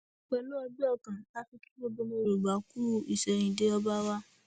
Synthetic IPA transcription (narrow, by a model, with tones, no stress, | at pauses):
k͡pɛ˨nũ˦ɔ˦bi˦ɔ˦˨kã˨a˦fi˦ki˦bo˦bo˦mõ˦ɾo˨ɡ͡ba˨˦ku˦i˨sɛ˨ɲĩ˨de˦ɔ˦ba˦wa˦